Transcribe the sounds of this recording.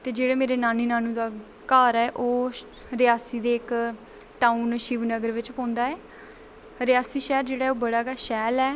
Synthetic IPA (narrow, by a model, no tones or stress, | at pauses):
t̪eːd͡ʒeːɽeːmeːɾeːnaːniːnaːnũːd̪aː | kaːɾɛːʔoː | ɾɪjaːsiːd̪eːɪk | ʈaːunʃiːʋnəɡəɾʋɪt͡ʃpɔ̃ːnd̪aːɛː | ɾɪjaːsiːʃɛːɾd͡ʒeːɽaːɛoːbəɽaːɡaːʃɛːlɛː